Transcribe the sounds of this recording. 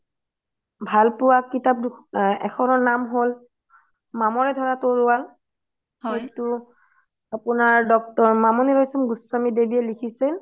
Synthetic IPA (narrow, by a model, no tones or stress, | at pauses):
bʱalpʊwakːitap̚dɛ̰kʰɔnɔnamɦol | mamɔɹɛdʱɔɹatoɹʊwal | etu | apunaɹdɔk̚tɔɹmamɔniɹojsɔmɡusːamidebiɛlikʰisɛn